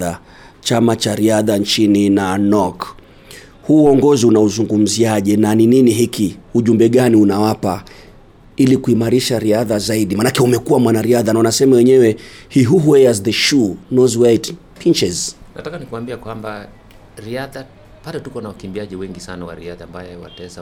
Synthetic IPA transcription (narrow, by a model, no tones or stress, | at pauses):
a | t͡ʃamat͡ʃaɾiaðant͡ʃininanɔk | huːɔŋɡɔziunauzuŋɡum̩ziaʄɛnanininiɦikiuʄumbɛɠaniunawapa | ilikuimaɾiʃaɾiaðazaiɗimanakɛumɛkuwamwanaɾiaðanaunasɛmawɛɲɛwɛhiɦuɦuɛjazðəʃunɔzwajt | pʰint͡ʃɛznatakanikuwambiakwamba | ɾiaða | patɔtukɔnawakimbiaʄiwɛŋɡisanawa̰ɾiaðaːmbajɛwa̰tɛza